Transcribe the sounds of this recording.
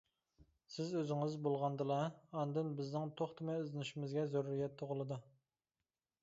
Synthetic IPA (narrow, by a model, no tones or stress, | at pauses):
sɪzøzɪŋɪzbolˠʁɑnd̪ɨlˠɑɑnd̪ɨnbɪznɪŋt̪ʰoχt̪ʰɨmɛyznyʃimɪzɡʲɛzoɾɾijɛt̪ʰːoʁəlˠɨd̪u